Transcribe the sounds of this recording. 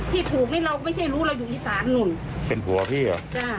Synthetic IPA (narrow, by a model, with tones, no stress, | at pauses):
t̪ʰiː˥˩t̪ʰuː˨˩k̚niː˥˩ɾa˧wkɔ˥˩ma˥˩jt͡ɕʰa˥˩jɾuː˦˥ɾa˧wjuː˨˩ʔiː˨˩saː˨˩˦nːu˧˩n | pe˧npʰu˨˩˦ɐ˦pʰiː˥˩˨t͡ɕaː˧˩